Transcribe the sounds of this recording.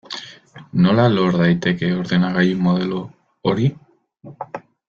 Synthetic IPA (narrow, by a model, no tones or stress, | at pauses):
no̞lalo̞ɾðajt̪e̞ke̞o̞ɾðenaɣajumo̞ð̞e̞lo | oɾi